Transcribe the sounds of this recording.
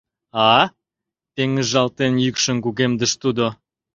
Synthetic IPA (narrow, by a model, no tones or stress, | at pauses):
ɑ | t̪eŋəzʒɑlt̪enjykʃə̆nkuɣemd̪ə̆ʃt̪ud̪o